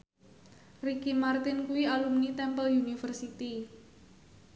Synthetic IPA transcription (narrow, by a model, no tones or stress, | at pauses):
rikimart̪ɪnkuwialumnit̪ɛmpəljunifərsit̪i